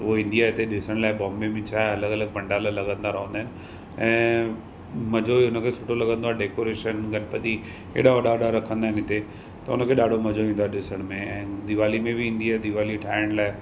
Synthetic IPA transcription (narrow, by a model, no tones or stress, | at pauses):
ʋoɪ̃nd̪ijaɪt̪eɗɪsəɽ̃laːɪbɔ̃ːmbemẽt͡ʃʰaːɐləɡɐləɡ̚pɐ̃ɳɖalalɐɡə̃nd̪aɾɐɦõnd̪aːɦɪnɪ̆ | ɛ̃ː | mɐd͡ʒoiʊnəkʰesuʈolɐɡə̃nd̪oaːɖeːkoɾeːʃənɡɐnpət̪i | ḛːɗaɔɽaɽaɾɐkʰə̃nd̪aːɦɪnɦɪt̪e | t̪ɐʊnəkʰeɗaːɽʱomɐd͡ʒoʋĩːnd̪oaːɗɪsəɽ̃mẽɛ̃ːd̪ɪʋaːlimẽbʱiĩːnd̪iaːd̪ɪʋaːliʈʰãːɳɖlaːɪ